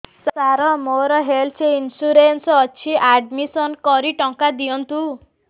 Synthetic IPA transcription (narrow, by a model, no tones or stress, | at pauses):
saɾɔmoɾɔɦelt͡ʃʰeinsuɾensɔɔt͡ʃʰiʔaɖmisɔnkɔɾiʈɔŋkad̪ijɔnt̪u